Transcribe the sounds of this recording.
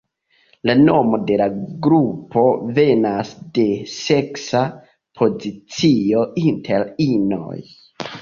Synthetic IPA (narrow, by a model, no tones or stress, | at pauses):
lano̞mo̞de̞laɡɾupʰo̞ve̞nasde̞se̞ksa | pʰo̞zit͡sio̞intʰe̞ɾino̰j